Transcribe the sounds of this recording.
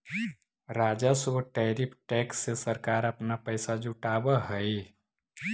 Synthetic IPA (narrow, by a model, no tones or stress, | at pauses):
ɾaːd͡ʒasəʈɛɾipʰʈɛksːesəɾkaːɾəpnapəɪsad͡ʒuʈabəɦəj